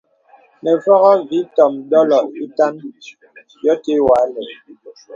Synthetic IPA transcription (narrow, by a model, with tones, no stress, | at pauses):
nɛ˨fɔ˦ɣɔ˦vi˨˦tɔ˨mdɔ˦lɔ˨i˦ta˦n | jɔ˦te˦wa˨˦lɛ˨